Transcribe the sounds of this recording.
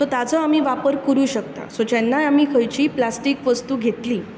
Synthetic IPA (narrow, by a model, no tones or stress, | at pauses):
sot̪at͡səamiːʋapəɾkəɾuːɕək̚t̪a̰sod͡ʑɛnːajamiːkʰəjt͡ɕiːplasʈiːkʋəst̪uːɡʱet̪liː